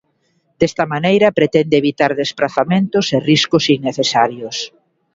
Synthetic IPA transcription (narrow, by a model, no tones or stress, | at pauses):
d̪̥est̪ɐmanejɾɐpɾet̪ɛnd̪eːβit̪aɾðespɾaθamẽnt̪ʊseriskʊsiŋneθesaɾjʊs